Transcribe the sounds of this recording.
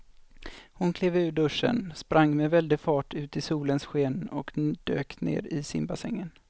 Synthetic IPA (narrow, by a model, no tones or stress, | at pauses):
hʊnkʰleːvʉ̟ːɖɵʂːə̰nspɾʔaŋːmɛvɛld̪ɪfɑːʈʰʉ̟ːt̪ɪsuːlənsɧeːnɔ̰kd̪̥ø̰ːknḛːɾɪsɪ̰nbasɛ̰ŋːən